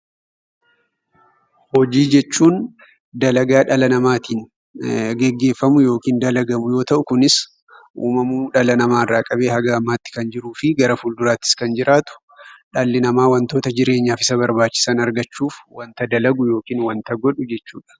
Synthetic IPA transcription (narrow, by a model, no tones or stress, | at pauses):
hɔd͡ʒiːd͡ʒɛt͡ʃːuːn | d̪ɐlɐɡaːᶑɐlɐnɐmaːt̪iːn | ɡɛɡːe̞ːfːɐmʊjo̞ːkiːnd̪ɐlɐɡɐmʊjo̞ːt̪ɐʔʊkʊnɪs | ʔuːmɐmuːᶑɐlɐnɐmaːɪrːaːkʼɐbeːhɐɡɐɐmːaːt̪ːɪ̥kɐnd͡ʒɪɾuːfɪɡɐɾɐfuld̪ʊɾaːt̪ːɪ̥skɐnd͡ʒɪɾʔaːt̪ʊ̥ | ᶑalːɪnɐmaːwɐnt̪o̞ːt̪ɐd͡ʒɪɾe̞ːɲːaːfɪ̥sɐbɐɾbaːt͡ʃːɪ̥saːnɐɾɡɐt͡ʃːuːfwɐnt̪ɐd̪ɐlɐɡʊjo̞ːkiːnwɐnt̪ɐɡɔᶑʊd͡ʒɛt͡ʃːṵːᶑɐ̥